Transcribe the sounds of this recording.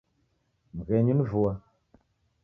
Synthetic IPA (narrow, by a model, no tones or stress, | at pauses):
m̩ɣɛɲinvua